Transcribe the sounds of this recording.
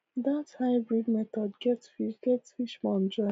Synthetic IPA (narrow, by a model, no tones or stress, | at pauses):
ðathaɪbɹidmɛtɔdɡɛtsfiʃɡ̥ɛtsfiʃmɔ̃nd͡ʒɹã